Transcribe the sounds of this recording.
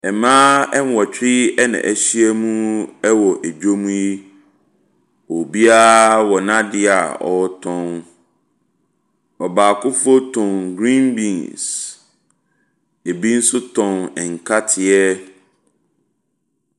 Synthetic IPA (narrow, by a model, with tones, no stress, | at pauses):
ɛ˨mãː˦ɛ˦m˦wɔ˨t͡ɕᶣʰɾi˦ɛ˦nã̰˨ʔæ˨ɕi˦ɛ˦mũ˦ɛ˦wɔ˨ʔe˨d͡ʑᶣo˦mũ˦ji˦ | wɔ˨bi˦a˦wɔ˨nã˦dɪ˦a̰˨ɔ˨˦tʰɔ̃˦n | ɔ˨baː˨kʰʊ˦fo˦tʰɔ̃˨nɡɾĩ˦nbĩ˨ns | e˨bi˦n̩˦sʊ˦tʰɔ̃˨nɛ˨ŋ̩˨kʰa˦tʰɪ˨ɛ˦